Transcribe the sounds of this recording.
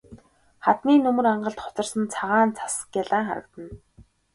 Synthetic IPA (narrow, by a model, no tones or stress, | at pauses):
χat̪miːnɵmɵ̆raɴɢə̆ɬt̪χʊ̥t͡sə̆rsə̆nt͡sʰaʁaːnt͡sʰḁskjaɮaːŋχa̰ɾə̆kt̪ə̆n